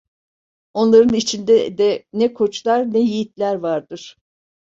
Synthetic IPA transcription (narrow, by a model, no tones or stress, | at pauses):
o̞nlˠaɾɯnit͡ʃʰind̪ɛd̪ɛnɛkʰo̞t͡ʃlˠaɾnɛjijit̪lʲæɾvaɾd̪ɯɾ̥